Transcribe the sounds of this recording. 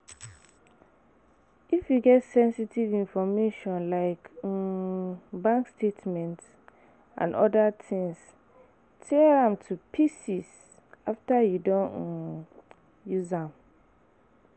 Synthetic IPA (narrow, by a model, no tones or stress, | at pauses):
ifjuɡɛtsɛ̃nsitʰivĩnfɔmeʃɔ̃nlaɪk | bãŋkstʰetmɛ̃nt | ʔã̰nɔdatʰɪ̃ŋs | tʰɛɹãmtʰupʰisis | aftajudɔ̃n | juzãm